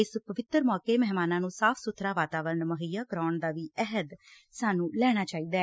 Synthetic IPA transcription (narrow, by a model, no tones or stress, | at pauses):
ɪspəʋɪt̪ːəɾmɔːkeːmɛɦmaːnãːnũːsaːpʰsʊt̪ʰɾaːʋaːt̪aːʋəɾɳməɦəjaːkɾaːɳd̪aːʋiːɛɦəd̪ | saːnũːlɛːɽ̃aːt͡ʃaːiːd̪aːɛ